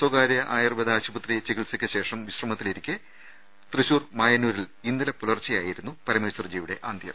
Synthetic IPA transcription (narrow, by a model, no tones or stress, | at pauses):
swoɡaːɾjɐʔaːjirɨbɐðɨaːɕubɐt̪rit͡ɕiɣiɭsɐkʲːɨɕe̞ːʂɐmʋiɕrɐmɐt̪ːiliɾikʲːɨ | t̪rɨɕuːrmaːjɐnːuːɾilinːilɐpulɐrt͡ɕːɐjaːjiɾunːupɐɾɐmeːswɐrd͡ʑiːʋiɽe̞̰ʔaːnd̪ʱjɐ̰m